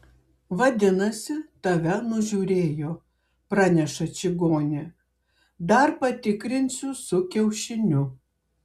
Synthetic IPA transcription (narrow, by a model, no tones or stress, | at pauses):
ʋɐd̪ʲɪnɐsʲɪt̪ɐʋʲɛnʊʒʲuːɾʲeːjoː | pɾɑːnʲɛʃɐt͡ʃʲɪɡoːnʲɪ | d̪ɐɾpɐt̪ʲɪkɾʲɪnʲsʲʊsʊkʲɛʊʃʲɪnʲʊ